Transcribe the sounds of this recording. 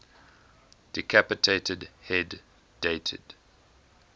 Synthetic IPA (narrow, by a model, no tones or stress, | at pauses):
d̥ikʰæpətʰetʰədhɛdː | etʰə̰d̥